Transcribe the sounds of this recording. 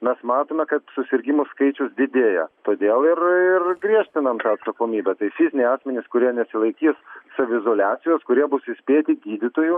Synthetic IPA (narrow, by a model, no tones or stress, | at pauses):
mʲɛsmɑːt̪oːmʲɛkɐt̪sʊsʲɪɾʲɡʲɪmoskɐɪt͡ʃʲʊsd̪ʲɪd̪ʲeːjɛt̪oːd̪ʲeːlˠɪrɪrɡɾʲiɛʃʲt̪ʲɪnɐmt̪ɑːɐt̪sɐkoːmʲiːbʲɛt̪ɐɪfʲɪzʲɪnʲeɛɪɑːsʲmʲɛnʲɪskʊɾʲiɛnʲɛsʲɪlˠɐɪkʲiːsːɐʋʲʊɪzoːlʲæːsʲɪjoːskʊɾʲiɛbʊsɪsʲpʲeːt̪ʲɪɡʲiːd̪ʲɪt̪oːjʊ